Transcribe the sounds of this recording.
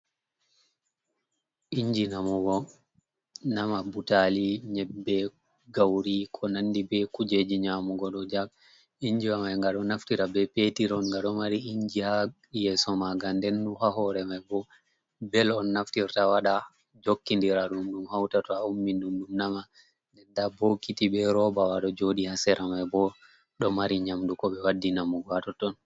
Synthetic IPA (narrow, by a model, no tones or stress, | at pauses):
ʔiɲd͡ʒinamɔɡɔ | namabutaliɲɛbːɛ | ɡawɾikʰɔnanːdibɛkud͡ʒed͡ʒiɲamuɡɔɗɔd͡ʒaɡ̚ | iɲd͡ʒiwamajŋɡaɗɔnaftiɾabɛpetiɾɔnŋɡaɗɔmaɾiiɲd͡ʒiha | jɛsɔmaɡandɛnːuhaɦɔɾɛmajbɔ | bɛlɔnːaftiɾtawaɗa | d͡ʒokːindiɾaɗumɗumhawtatɔaumːinɗumɗumnama | ndɛndabokitibɛɾɔbawaɗɔd͡ʒoɗihasɛɾʔamajbɔ | ɗɔmaɾiɲamdukɔɓɛwadːinamɔɡwatɔtɔn